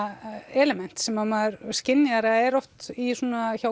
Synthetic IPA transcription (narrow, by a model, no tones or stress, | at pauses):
ɛlɛmɛn̥t̪sɛmaðmaðʏɾscɪnːjaɾɛɛɾɔwft̪isuːnaçaw